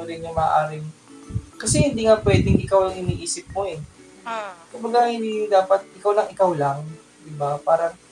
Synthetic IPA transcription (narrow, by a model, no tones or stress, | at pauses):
oɾɪnjʊŋmɐa̰ʔaːɾɪ | kɐsɛhɪnd̪iːŋapwɛːd̪ɪŋʔɪkawɐŋhɪniːʔiːsɪp̚moɛ | kʊmbɐɡahɪniːd̪aːpɐt̪̚ʔɪkawlɐŋɪkawlaŋ | d̪ɪbapaːɾɐŋ